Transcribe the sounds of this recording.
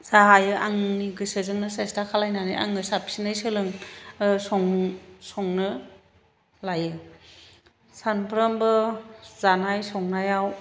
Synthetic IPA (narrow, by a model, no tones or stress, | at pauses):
zaɦajɯʔaŋniɡɯsɯzɯŋnɯsestakʰalajnanɯ̰ja̰ŋɯsapʰi̥sinajsɯlɯŋsɔŋsɔŋnɯ | lajɯ | sanpʰɾɯmbɯz̥anajsɔŋnajaw